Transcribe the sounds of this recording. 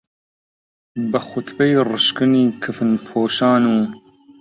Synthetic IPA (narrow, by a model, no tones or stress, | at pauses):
bɨxʊt̪bejrɨʃkɨniːkʰɨfɨnpʰoːʃɑːnuː